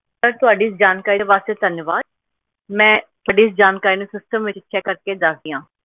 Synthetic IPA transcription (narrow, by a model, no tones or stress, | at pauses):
səɾt̪ʊɦaːɖiːsd͡ʒaːnkaːɾiːd̪eʋaːst̪eːd̪ʱənjəʋaːd̪̚ | mɛ̃ː | bəɖiːsd͡ʒaːnkaːɾiːnesɪsʈəmʋɪt͡ʃtːʃʰɛːkəɾkeːd̪əkd̪iːãː